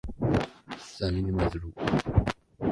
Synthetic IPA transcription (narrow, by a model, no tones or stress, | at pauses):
sæminməðɾu